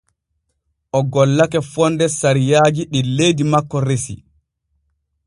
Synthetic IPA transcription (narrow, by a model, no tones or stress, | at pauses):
ʔɔɡɔlːakɛfɔndɛsaɾijaːd͡ʒiɗilejdimakːɔɾesḭ